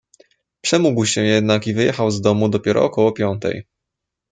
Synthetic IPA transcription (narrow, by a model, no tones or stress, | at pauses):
pʂɛmuɡwɕɛjɛd̪nakivɘjɛxawzd̪ɔmud̪ɔpʲjɛɾɔ̰ɔkɔwɔpʲjɔnt̪ɛ̰j